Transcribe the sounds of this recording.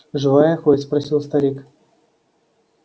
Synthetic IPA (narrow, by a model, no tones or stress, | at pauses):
ʐɨvajɐxospɾɐsʲilˠst̪ɐɾʲik